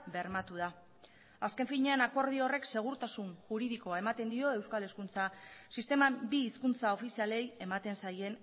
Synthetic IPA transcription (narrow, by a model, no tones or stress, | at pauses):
be̞ɾmat̪uða | aske̞ɱfiɲe̞enako̞ɾð̞io̞re̞kse̞ɣ̞uɾt̪asunʝuɾiðiko̞ae̞mat̪e̞nd̪io̞e̞wskaleskunt͡sasist̪e̞mabiːskunt͡sao̞fisiale̞je̞mat̪e̞nsaje̞n